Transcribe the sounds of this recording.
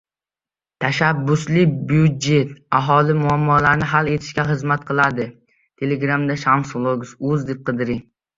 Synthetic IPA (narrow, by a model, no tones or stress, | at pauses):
t̪ʰaʃabːʊslɪbjud̪̚d͡ʒe̞t̪aɦɒlɪmʊamːɒlaɾnɪɦale̞t̪ʰɪ̥ʃkʲaχɨzmat̪qʰɨlˠad̪ɪ | t̪ʰe̞leɡɾamd̪aʃamslˠoɡsʊzd̪ep̚qʰɨd̪ɪɾɪ